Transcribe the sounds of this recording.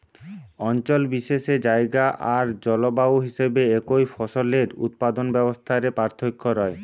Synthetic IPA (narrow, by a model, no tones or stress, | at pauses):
ɔnt͡ɕolbiʃeʃed͡ʑaeɡaʔaɾd͡ʑɔlobaoɦiʃebeekojfʰɔʃoleɾṵt̪̚pad̪onbɛbost̪ʰaɾepaɾt̪ʰokʰːoɾɔe